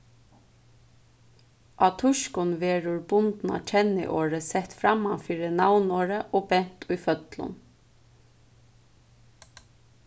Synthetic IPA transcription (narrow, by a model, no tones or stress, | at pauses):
ʔɑt̪ʰʊʃkʊnʋeːɾʊɹbʊnt̪na̰t͡ʃʰɛnɪ̰ʔoːɾəsɛht̪fɾamanfiːɾənawnoːɹəʔɔːbɛn̥t̪ʰʊjfœt̪lʊ̰n